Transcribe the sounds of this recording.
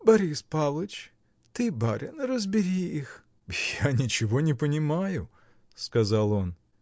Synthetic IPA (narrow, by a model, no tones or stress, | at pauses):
bɐɾʲispalˠət͡ʃ | t̪ɨbaɾʲɐnrəzbʲɪɾʲiix | janʲɪt͡ɕɪvonʲɪpənʲɪmajʊ | skɐzalˠon